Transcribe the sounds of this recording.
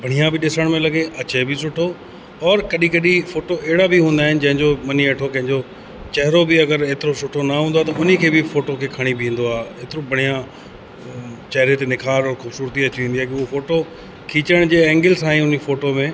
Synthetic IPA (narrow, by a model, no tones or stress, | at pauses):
bʱɐɽ̤̃ijãbɪɗɪsəɽ̃mẽlɐɡeʔɐt͡ɕebɪsʊʈʰo | ɔːɾkɐɗĩkɐɗĩfoːʈoʔɛɦɪɽabiɦũːnd̪aːɦɪnɪ̆d͡ʑɐ̃ɦɪ̃ɲd͡ʑomɐniɐʈʰokɐ̃ɦɪ̃ɲd͡ʑo | t͡ɕɐɦɪɾobɪɐɡəɾeːt̪ɪɾosʊʈʰonɐɦũːnd̪aɦet̪ɐʊnikʰeːbɪfoːʈokʰeːkʰɐɽ̃ibʱĩːn̆d̪oaːɦeeːt̪ɪɾobʱɐɽ̤̃ijã | t͡ɕɐɦɾet̪enɪkʰaːɾɔːɾxuːbsuːɾt̪iɐt͡ɕiʋĩːnd̪iaːkiʊɦofoːʈo | kʰiːt͡ɕəɽ̃d͡ʑeːɛ̃ːŋɡɪlsãːĩʊnifoːʈomẽː